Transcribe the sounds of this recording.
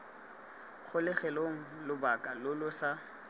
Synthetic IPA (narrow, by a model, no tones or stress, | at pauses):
k͡xʰʊlɪχɛloŋ̩lʊbakʼalʊlʊsa